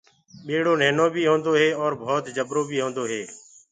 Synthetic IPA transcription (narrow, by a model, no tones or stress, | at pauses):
ɓeːɽoːneːnoːbʱiːɦõːnd̪oːɦeːɔːɾbʱoːt̪d͡ʒəbɾoːbʱiːɦõːnd̪oːɦeː